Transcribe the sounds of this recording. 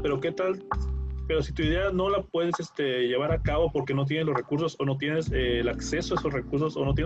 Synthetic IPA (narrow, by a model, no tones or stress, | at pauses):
pe̞ɾo̞ke̞t̪alpe̞ɾo̞sit̪uiðe̞ano̞lapwe̞ð̞e̞sest̪e̞ʝe̞β̞aɾakaβo̞po̞ɾke̞no̞t̪̬je̞neslo̞zre̞kuɾs̬o̞so̞no̞t̪̬jene̞seːlakse̞soaeso̞sre̞kuɾs̬o̞so̞no̞t̪je